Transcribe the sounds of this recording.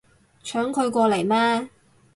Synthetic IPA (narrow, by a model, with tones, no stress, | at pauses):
t͡ʃʰœː˨˥ŋkʰɵ˨˧ɥkʷɔː˧le˨˩jmaː˧